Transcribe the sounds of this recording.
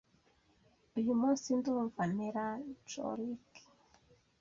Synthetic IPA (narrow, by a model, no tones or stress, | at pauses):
ujumusinduɱvaniɾat͡ʃo̰ɾiki̥